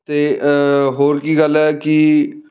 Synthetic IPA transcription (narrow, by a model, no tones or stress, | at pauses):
t̪eːɦoːɾkiːɡəlɛːkɪ